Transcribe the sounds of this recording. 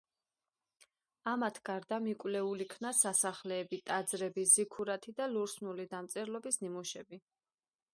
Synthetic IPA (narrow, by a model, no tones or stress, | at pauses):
amat̪ʰɡ̥aɾd̪amikʼwlɛulikʰnasasaχlɛːbit̪ʼad̪zɾɛbizikʰuɾat̪ʰid̪aluɾsnulid̪amt̪sʼɛɾlɔbisnimuʃɛbi